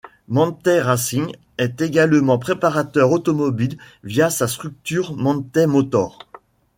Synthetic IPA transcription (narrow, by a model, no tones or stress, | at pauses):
mɑ̃t̪ɛʁasiɲ | ɛt̪eɡalmɑ̃pχepaʁat̪œʁot̪ɔmɔbil | vjasast̪χyk̚t̪yʁmɑ̃t̪ɛmɔt̪ɔʁ